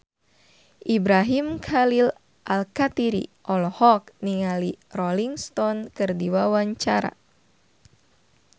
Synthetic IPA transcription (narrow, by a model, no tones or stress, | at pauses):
ʔibɾaɦimkʰalil | ʔalkat̪iɾḭʔɔlɔhɔk̚niŋalirɔliŋst̪ɔnkɨrdiwawaɲt͡ʃaɾa̰